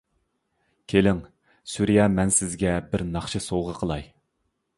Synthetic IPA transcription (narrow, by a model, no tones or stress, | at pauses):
kʲʰelɪŋ | suɾijɑmɛnsɪzɡʲɛbɪɾnɑχʃɨsowʁəqʰəlˠɑj